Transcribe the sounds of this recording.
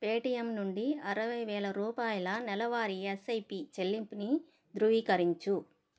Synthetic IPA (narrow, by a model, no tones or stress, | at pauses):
peːʈijɐmnuɳɖiɐɾɐʋɐjʋɛːɭɐɾuːpaːjɐlɐnɛlɐʋaːɾiesɐjpit͡ʃelːimpini | d̪ɾuʋiːkɐɾiɲt͡ʃu